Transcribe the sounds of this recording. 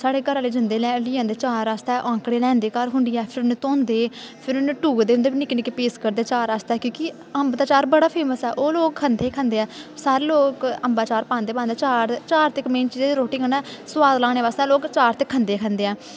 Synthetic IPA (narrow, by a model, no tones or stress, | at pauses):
saːɽeːɡəɾaːleːd͡ʒənd̪eːlɛːliːãːnd̪eːt͡ʃaːɾaːst̪ɛːʔãːŋkɽeːlɛːnd̪eːkaːɾɦʊɳɖ̪iːɛːpʰɪɾʊnẽːt̪õːnd̪eːpʰɪɾʊnːʈuːɡd̪eːʊnd̪eːbiːnɪknɪkeːpeːskəɾd̪eːt͡ʃaːɾaːst̪ɛːkjõːkɪ | əmbd̪aːt͡ʃaːɾbəɽaːpʰeːməsɛːʔoːloːkkʰənd̪eːkʰə̃nd̪eːɛːsaːɾeːloːkəmbaːt͡ʃaːɾpãːnd̪eːpaːnd̪eːt͡ʃaːɾt͡ʃaːɾt̪ɪkmẽːnt͡ʃiːd͡ʒeːd̪iɾoːʈɪ̃ŋɡənɛːswaːd̪lãːɽ̃eːʋaːst̪ɛːloːkt͡ʃaːɾt̪ɪkʰːənd̪eːkʰənd̪eːɛː